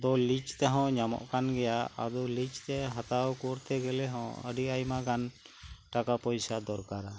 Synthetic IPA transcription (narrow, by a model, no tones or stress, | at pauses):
d̪ɔlit͡ʃt̪ɛɦɔ̃ɲamɔ̰ʔkanɡɛjaad̪ɔlit͡ʃt̪ɛɦat̪awkɔɾt̪ʰɛɡɛlɛɦɔ̃ə̰ɖiajmaɡan | ʈakapɔjsad̪ɔɾkaɾa